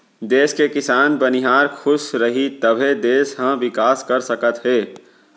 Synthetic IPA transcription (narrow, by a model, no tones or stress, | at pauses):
d̪eːskekɪsaːnbənɪɦaːɾkʰʊʃɾɐɦit̪əbʱed̪eːsɦãʋɪkaːskəɾsəkət̪ɦɛː